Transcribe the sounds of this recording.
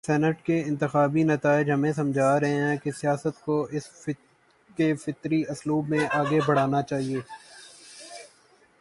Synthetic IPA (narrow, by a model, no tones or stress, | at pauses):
sɛːnəʈkeɪ̃nt̪ɪxaːbinɐt̪aːɪd͡ʒɦɐmẽsɐ̃md͡ʒʱaːɾɐɦẽɦɛ̃kesɪjaːsət̪koʔɪs | kefɪt̪ɾiɐsluːbmẽʔaːɡebʱɐɽ̤aːnat͡ʃaːɦieː